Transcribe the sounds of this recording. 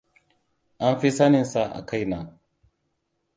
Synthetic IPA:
ʔa˦mɸi˦sɐ˦nɪ˨nsa˦ʔa̰˨ka˦jnaː˨

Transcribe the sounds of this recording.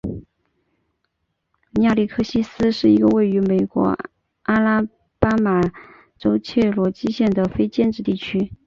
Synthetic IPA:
nja˥˧li˥˩kʰɤ˥ɕi˥sɹ̩˥ʂɻ̩˥˩i˧˥ɡə˧we˥˩ɪy˧˥me˨˩ɪkwɔ̰˧˥ | a˥la˥ | pa˥ma˨˩ | ʈ͡ʂo˥ʊt͡ɕʰjɛ˥˩lwɔ˧˥t͡ɕi˥ɕjɛ˥˩nd̪ə˩fe˥ɪt͡ɕjɛ˥˧nʈ͡ʂɻ̩˥˧t̪i˥˩t͡ɕʰy˥

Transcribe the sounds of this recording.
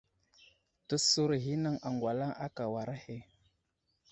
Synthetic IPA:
tə˦su˦ɾɦi˦na˦ŋa˨ŋɡwa˨la˦ŋa˦ka˨wa˨ɾa˦he˦˨

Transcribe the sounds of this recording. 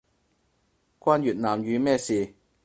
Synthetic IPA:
kʷaː˧˥njyː˨t̚naː˨mjyː˨˧mɛː˥˧siː˨˩

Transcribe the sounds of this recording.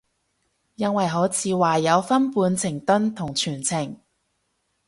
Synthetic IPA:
jɐ˥nwɐ˨jɦo˨˥wt͡sʰiː˨˧waː˨˩jɐ˨˧wfɐ˥npuː˨˧nt͡sʰɪ˨˩ŋt̪ɵ˥nt̪ʰʊ˨˩ŋt͡ʃʰyː˨˩nt͡sʰɪ˨˩ŋ

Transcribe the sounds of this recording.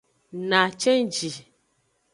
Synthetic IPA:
nã˨t͡ʃɛ˦nd͡ʒi˨

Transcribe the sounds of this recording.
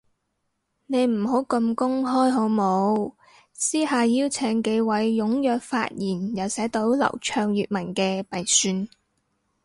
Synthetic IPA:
ne˨˧jm̩˨˩ɦo˨˥wkɐ˧mkʊ˥ŋɦɔː˥jɦo˨˥wmo˨˧w | siː˥haː˨˧jiː˥wt͡sʰɛː˨˧˥ŋke˨˧jwɐ˨˥jːʊ˨˥ŋjœː˨k̚fa̰ː˧t̚jiː˨˩njɐ˨wsɛː˨˥t̪o˨˥wlɐ̰˨˩wt͡ʃʰœː˧ŋjyː˨t̚mɐ˨˩nkɛː˧pɐ˨jsyː˧n

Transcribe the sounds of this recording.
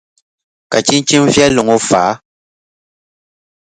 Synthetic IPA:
ka˨t͡ʃi˦n˦t͡ʃi˦m˦vjɛ˦lo˨ŋo˦faː˨˦

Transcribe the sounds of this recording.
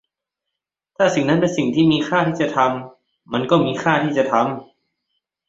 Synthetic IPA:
t̪ʰaː˥˩si˨˩ŋna˦˥npe˧nsi˨˩ŋt̪ʰiː˥˩miː˧xʰaː˥˩t̪ʰiː˥˩t͡ɕa˨˩t̪ʰa˧mː | a˧nkɔː˥˩miː˧xʰaː˥˩t̪ʰiː˥˩t͡ɕa˨˩t̪ʰa˧m

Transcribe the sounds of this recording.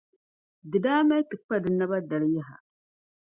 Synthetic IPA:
dɨ˨daː˦ma˦tɨ˨kk͡pa˦dɨ˨na˦ba˦da˨lja˦ɦa̰˨

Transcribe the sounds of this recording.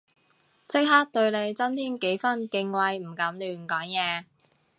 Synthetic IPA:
t͡sɪ˥k̚haː˥k̚t̪ɵ˧ɥle˨˧jt͡sɐ˥mt̪ʰiː˥nke˨˥jfɐ˥nkɪ˧ŋwɐ˧jm̩˨˩kɐ˨˥mlyː˨˧˩nkɔː˨˥ŋjɛː˧

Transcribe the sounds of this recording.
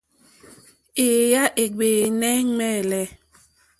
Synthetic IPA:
e˨ja˦ʔe˨ɡ͡beː˨nɛ˦ŋ͡mɛː˦˨lɛ˦

